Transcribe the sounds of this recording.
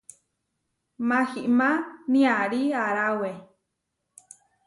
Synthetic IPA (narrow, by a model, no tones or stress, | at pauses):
maxiʔmãnĩaɾiaɾawe